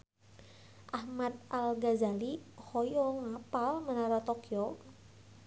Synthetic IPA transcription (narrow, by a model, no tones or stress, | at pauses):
ʔahmat̪̚alɡazalihɔjɔŋapalmənaɾɔt̪ɔkjɔ